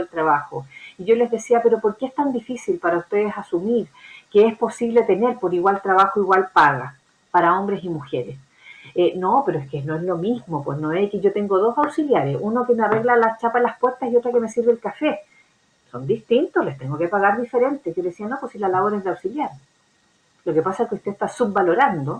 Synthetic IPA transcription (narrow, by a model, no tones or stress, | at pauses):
elt̪ɾaβaxoiʝo̞le̞zðe̞siapeɾo̞poɾkeest̪and̪ifisilpaɾaust̪eðesasumiɾkeespo̞siβlet̪e̞ne̞ɾpo̞ɾiɣwalt̪ɾaβaxoiɣwalpaɣa̰ | paɾaombɾesimuxeɾes | enopeɾoeskenoezlo̞mizmo̞pwesnoekeʝot̪eŋɡoðo̞sawsiljaɾesunokemeare̞ɣlalast͡ʃapalaspweɾt̪asiot̪ɾakemesiɾβelkafe | sond̪iht̪int̪olest̪eŋɡokepaɣaɾðifeɾe̞nt̪ejeleesianoposilalaβoɾeðeawsiljaɾ | lo̞kepasaeskeust̪e̞ehst̪asub̚balo̞ɾand̪o